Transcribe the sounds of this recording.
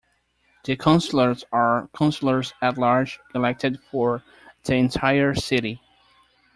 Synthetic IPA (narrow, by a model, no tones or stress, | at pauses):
ðɨkʰãʊ̃nsl̩ˠə˞zəɹkʰãʊ̃nsl̩ˠə˞zætˡlɑɹd͡ʒɨlɛk̚tʰɨdfəɹ | ðiɨ̃ntʰaɪə˞sɪɾi